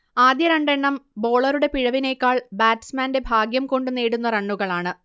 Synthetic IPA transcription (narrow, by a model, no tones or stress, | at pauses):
aːd̪jɐɾɐɳɖeɳːɐmbo̞ːɭɐɾuɽe̞piɻɐʋine̞ːkːaːɭbaːtːsmaːnde̞bʱaːɡjɐmko̞ɳɖɨneːɽunːɐrɐɳːuɣɐɭaːɳɨ